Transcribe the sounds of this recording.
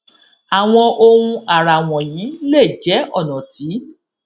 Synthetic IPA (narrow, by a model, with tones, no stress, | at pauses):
a˨w̃ɔ̃˧ʔo˧ũ˧a˨ɾa˨w̃ɔ̃˨ji˨˦le˦˨d͡ʒɛ˨˦ɔ˦˨nɔ̃˨ti˨˦